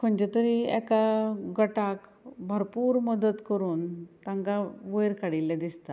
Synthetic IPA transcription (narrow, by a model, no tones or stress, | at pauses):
kʰəɳd͡ʑet̪əɾiɛ̰kaɡəʈak | bʱəɾpuːɾməd̪ət̪kəɾuːnt̪ãŋkaʋəjɾkaɽilːɛd̪ist̪a